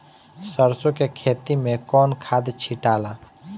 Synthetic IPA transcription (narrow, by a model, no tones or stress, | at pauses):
səɾsokekʰet̪imekɔnkʰad̪t͡ʃʰiʈala